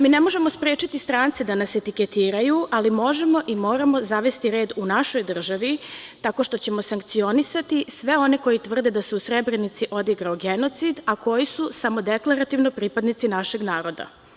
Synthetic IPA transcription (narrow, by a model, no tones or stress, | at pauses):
miːne̞mo̞ʒe̞mo̞spɾeːt͡ʃit̪ist̪ɾaːnt̪sed̪anase̞t̪iket̪iːɾajuʔalimo̞ʒe̞mo̞ʔimo̞ːɾamo̞zaʋe̞st̪iɾe̞ːd̪unaʃo̞jd̪r̩ʒaʋit̪ako̞ʃt̪o̞t͡ɕe̞mo̞saŋk̚t̪sio̞nisat̪isʋe̞o̞ne̞ko̞jit̪ʋr̩d̪e̞d̪aseusɾebɾenit̪siʔo̞d̪iɡɾaoɡeno̞t̪sid̪akʰo̞jisusamo̞d̪eklˠaɾat̪iʋnopɾipad̪nit̪sinaʃe̞ɡnaːɾo̞d̪a̰